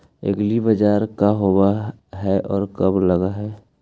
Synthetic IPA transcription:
ə̰ɡlibəd͡ʒaːɾkaɦowa | ɦɛʔɔːɾkəbləɡaɦɛː

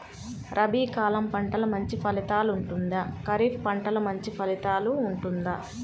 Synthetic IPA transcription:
ɾʔɐbiːkaːlɐmpɐɳʈɐlɐmɐɲt͡ʃipʰɐlit̪aːluɳʈund̪ɐkɐɾiːfʰpɐɳʈɐlɐmɐɲt͡ʃipʰɐlit̪aːluːɳʈund̪ɐ

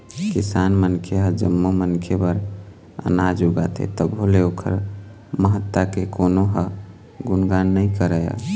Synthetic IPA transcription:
kisanmənkʰeɦəd͡ʒəmːomənkʰebəɾ | ə̰nad͡ʒuɡat̪ʰḛt̪əbʱɦoleokʰə̰ɾ | məɦət̪ːakekonoɦə | ɡunɡanːəikəɾəjə̰

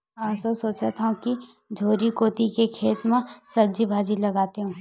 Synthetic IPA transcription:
aːsosoːt͡ʃat̪ãki | d͡ʒʱoːɾikoːt̪ikekʰeːt̪mãsɐd͡ʒibʱaːd͡ʒilɐɡaːt̪eɦũː

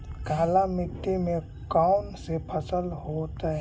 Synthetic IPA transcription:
ɡʱaːlamɪt̪ːimẽ | kaʊnsepʰəsəlɦot̪ɦɛ

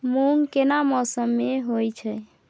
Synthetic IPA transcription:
muŋkenamɔsəmːeɦojt͡ʃʰɛ

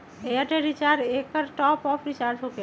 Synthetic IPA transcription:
eəʈeɾit͡ʃaɾekəɾʈɔpɔpʰɾit͡ʃaɾsʰoke

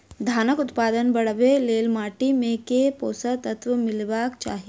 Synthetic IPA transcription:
d̪ʱaːnəkʊt̪paːd̪ənbɐɽəʋeleːlmaːʈimẽkepoːsət̪ət̪ʋəmɪlbaːkt͡ʃa̰ːɦie

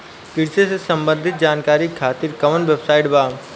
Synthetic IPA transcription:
kɪɽsesesɐ̃mbə̃nd̪ʱɪt̪̚d͡ʒaːnkaːɾikʰaːt̪iɾkɐʋənʋebsaːɪʈbaː

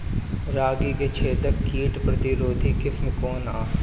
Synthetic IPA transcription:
ɾaːɡiket͡ʃʰeːt̪əɾkiːʈpɾɐt̪ɪɾoːd̪ʱikɪsmkoːnaː

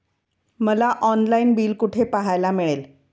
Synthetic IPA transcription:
məlaʔɔnlainbiːlkuʈʰepaɦajlameɭel

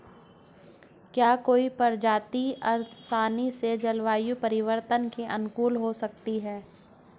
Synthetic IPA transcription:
kjaːkoːipɐɾd͡ʒaːt̪iɐɾsaːnised͡ʒɐlʋaːjupɐɾɪʋəɾt̪ənkeʔɐnkuːlɦosɐk̚t̪iɦɛː

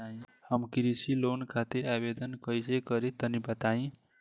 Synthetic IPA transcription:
aĩhəmkiɾisilonkʰat̪iɾabed̪ənkəjsekəɾit̪ənibət̪aĩ

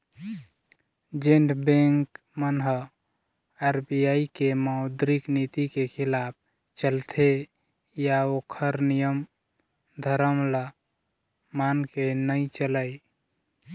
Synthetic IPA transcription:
d͡ʒeɳɖbẽŋk | mənɦə | aɾbijaikemaʊd̪ɾiknit̪ikekʰilap̚ʰ | t͡ʃəlt̪ʰe | jaokʰəɾnijəm | d̪ʱəɾəmlə | mankenəit͡ʃələj

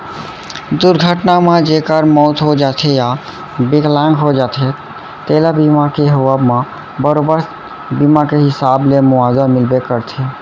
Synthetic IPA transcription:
d̪uɾɡʱəʈnamed͡ʒekəɾmɔːt̪ɦod͡ʒat̪ʰeja | beklãŋɡɦod͡ʒat̪ʰe | t̪elabimakeɦowəbme | bəɾobəɾt̪ | bimakeɦɪsablemʊad̪amilbekəɾt̪ʰe

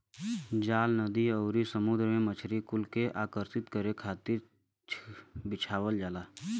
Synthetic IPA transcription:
d͡ʒaːlnəd̪iəːɾisəmʊd̪ɾmẽmət͡ʃʰɾikʊlkeʔaːkəɾsɪt̪kəɾekʰaːt̪ɪɾ | t͡ʃʰbɪt͡ʃʰaːwəld͡ʒaːlaː

